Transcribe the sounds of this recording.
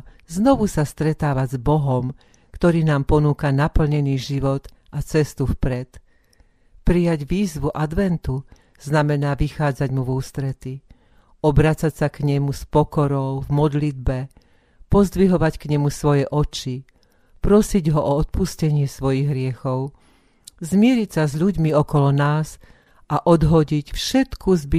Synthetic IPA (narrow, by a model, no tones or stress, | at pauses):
znɔʋusast̪ɾɛt̪aːʋazbɔɦɔm | kt̪ɔɾiːnaːmpɔnuːkanapl̩ɲɛniːʒiʋɔt̪ | ʔat͡sɛst̪ufpɾɛt̪ | pɾijaɟʋiːzʋuʔad̪ʋɛnt̪u | z̥namɛnaːʋixaːd͡zaɟmuvuːst̪ɾɛt̪i | ɔbɾat͡sacsakɲɛmuspɔkɔɾɔʊvmɔd̪lid̪̚bɛ | pɔzd̪ʋiɦɔʋackɲɛmusʋɔjɛʔɔt͡ʃi | pɾɔsiɟɦɔʔɔɔt̪̚puscɛɲɪɛsʋɔjiɣɦɾɪɛxɔʊ | zmɪɛɾicsazʎuɟmiɔkɔlɔnaːz | ʔaʔɔd̪ɦɔɟicfʃɛt̪kʰuzbi